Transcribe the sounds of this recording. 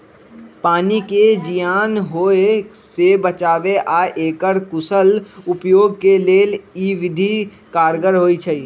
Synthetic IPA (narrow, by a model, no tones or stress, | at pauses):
paːniked͡ʒijaːnɦoːe | sebət͡ʃaːʋeʔaːʔeːkəɾkʊsəlʊpjoːɡ̚keleːliːʋɪd̪ʱi | kaːɾɡəɾɦoːit͡ʃʰəː